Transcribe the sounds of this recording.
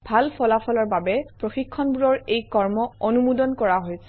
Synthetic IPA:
bʱalpʰɔlapʰɔlɔɹbabɛpɹoxikʰːɔnbuɹɔɹejkɔɹmɔɔnumudɔnkɔɹaɦojsɛ̥

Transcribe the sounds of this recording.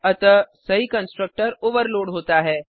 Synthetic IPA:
ɐt̪əsɐɦikə̃nsʈɾək̚ʈəɾoːʋəɾloːɖɦoːt̪aɦɛː

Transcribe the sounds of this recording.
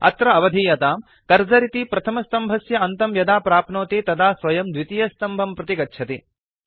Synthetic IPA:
ɐ̰t̪ɾɐɐʋɐd̪ʱiːjɐt̪aːm | kɐɾd͡ʒɐɾit̪ipɾɐt̪ʰɐmɐst̪ɐmbʱɐsjɐɐnt̪ɐmjɐd̪aːpɾaːpnoːt̪iːt̪ɐd̪aːsʋɐjɐmd̪ʋit̪ijɐst̪ɐmbʱɐmpɾɐt̪ikɐtːʃʰɐt̪i

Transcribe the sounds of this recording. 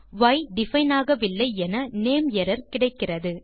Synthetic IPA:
ʋɐɪɖɪfɐɪnaːɣɐʋɪlːɐɪɛnɐneːmjɛɾɐɾkɪɽɐɪkːɪrɐðɯ

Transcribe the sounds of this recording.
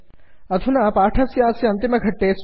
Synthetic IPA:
ɐd̪ʰʱunapaːʈʰɐsjaːsjɐɐnt̪imɐɡʱɐʈːeːs

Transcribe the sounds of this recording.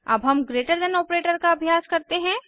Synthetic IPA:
ɐ̰bɦɐmɡɾeːʈəɾd̪ɛnɔːpɾeːʈəɾkaɐbʱjaːskɐɾt̪eɦɛ̃ː

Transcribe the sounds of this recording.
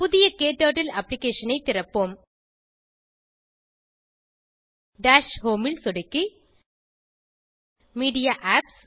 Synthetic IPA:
puðɪjɐkeːʈːoːʈːilɐpːlikːeːʂɐnɐɪjt̪irɐpːom | ɖaːʂhoːmilsoɽɐkːɨ | miːɽijaʔaːps

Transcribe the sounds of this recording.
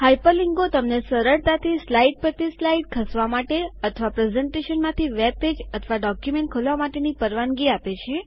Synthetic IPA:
hajpəliŋɡot̪əmnesəɾəɽt̪at̪ʰislaiɖ̚pɾət̪islaiʈ̚kʰəsʋamaʈeət̪ʰəʋapɾezɛɳʈeʃənmãt̪ʰiʋeb̚ped͡ʒət̪ʰəʋaɖɔkjumẽɳʈ̚kʰolʋamaʈenipəɾʋaŋɡiapet͡ʃʰe

